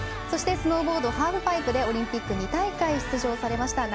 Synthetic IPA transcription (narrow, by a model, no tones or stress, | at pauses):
so̞ɕi̥t̪e̞sɨno̞ːbo̞ːd̪o̞haːɸɯ̟baipɯ̟d̪e̞o̞ɾʲĩmpʲikːɯ̟ɲ̟it̪aikaiɕi̥t͡sɨʑo̞ːsaɾe̞maɕi̥t̪aɡ